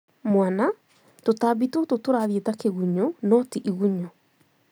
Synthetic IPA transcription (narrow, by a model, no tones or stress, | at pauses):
mwana | totabitototoɾaðietakeɣuɲonɔtiʔiɣuɲɔ